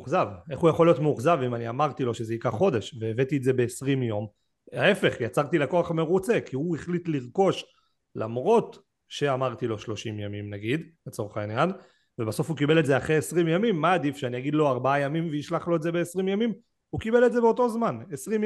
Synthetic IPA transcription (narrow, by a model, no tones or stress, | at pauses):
uχzaveχujaχolijo̞tmeuχzavimaniamaʁt̪ilo̞ʃe̞zeikaʁχo̞de̞ʃveːvet̪ietze̞be̞ːsʁimjo̞m | ae̞fe̞χjat͡saʁt̪ilako̞aχme̞ʁut͡se̞kiueχlitliʁko̞ʃ | la̰mʁo̞t | ʃe̞amaʁt̪ilo̞ʃlo̞ʃimjamimnaɡid̪let͡so̞ʁeχainjan | vebaso̞fukibe̞letzeaχʁeesʁimjamimːaːdifʃeanijaɡid̪lo̞aʁbaajamimveiʃlaχlo̞etzebeːsʁimjamim | ukibe̞letze̞beoto̞zmanesʁim